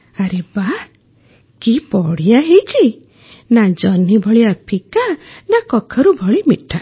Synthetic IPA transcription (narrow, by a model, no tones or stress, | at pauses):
aɾeba | kipɔɽijaɦejt͡ʃʰi | nad͡ʒɔnibʱɔɭiapʰikanakɔkʰɔɾubʱɔɭimiʈʰːa